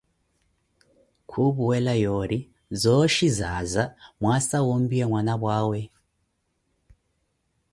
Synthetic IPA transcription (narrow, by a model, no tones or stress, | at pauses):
kʰuβuwɛlajɔɾi | zɔʃizazamwasawɔmbiwɛmwanaβwaːwɛ